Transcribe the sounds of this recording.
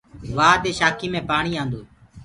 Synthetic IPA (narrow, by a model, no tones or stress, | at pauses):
ʋaːɗ̪eːʃaːkʰiːmẽːpaːɳiːãːnd̪oː